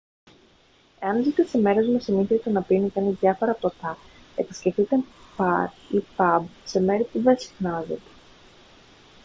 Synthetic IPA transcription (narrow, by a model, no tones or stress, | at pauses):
e̞ɐnzit̪eseme̞ɾe̞zmusiniθɾit̪enɐpinitɐnizðʝɐfo̞ɾɐpot̪ɐ | e̞pi̥sce̞ft̪it̪enpɐɾ | ipɐbse̞me̞ɾipuðensi̥xnɐzḛt̪e̥